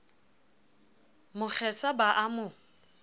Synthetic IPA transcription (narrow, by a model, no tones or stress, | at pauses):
mʊk͡xʰɛsabaʔamʊ